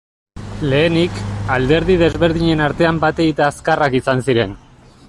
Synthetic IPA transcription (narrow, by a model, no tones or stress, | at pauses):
le̞ːnikald̪e̞ɾð̞ið̞e̞zβe̞ɾð̞iɲe̞naɾt̪e̞ambat̪e̞ɣit̪aːskarakisansiɾe̞n